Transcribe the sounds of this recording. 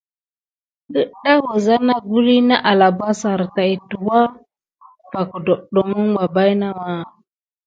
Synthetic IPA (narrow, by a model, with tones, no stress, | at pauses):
ɗə˦ɗa˦wo˨za˦na˦ɡu˦ɾi˦na˦ʔa˨la˨ba˦sa˨ɾta˨i˨tu˨wa˦ | pa˨kə˨do˨ɗo˨mə˦ŋɡa˨ba˦jna˦ma˨